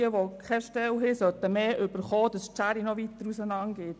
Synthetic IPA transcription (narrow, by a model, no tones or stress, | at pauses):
əʋokʰχɛʃtɛlɦɪsœt̪əmeːʔʏb̥əɾχɔːd̥ɑst͡ʃæɾinɔʋit̪əɾusənɑnɡ̥ɪt